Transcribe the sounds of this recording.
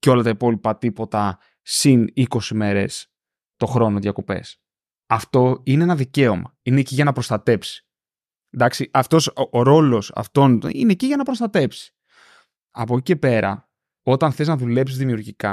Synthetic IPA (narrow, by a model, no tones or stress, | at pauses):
co̞lɐt̪ɐipo̞lipɐt̪ipo̞t̪ɐ | siniko̞sime̞ɾe̞̰s | t̪o̞xɾo̞no̞ðʝɐko̞pe̞̰s | ɐft̪o̞ineenɐðice̞o̞mɐine̞ciʝɐnɐpɾo̞st̪ɐt̪e̞psi̥ | d̪ɐksiʔɐft̪o̞soɾo̞lo̞sɐ̰ft̪o̞nine̞ciʝɐnɐpɾo̞st̪ɐt̪e̞psi̥ | ɐpo̞cice̞pe̞ɾɐ̰ | o̞t̪ɐnθe̞znɐðule̞psizðimiuɾʝikɐ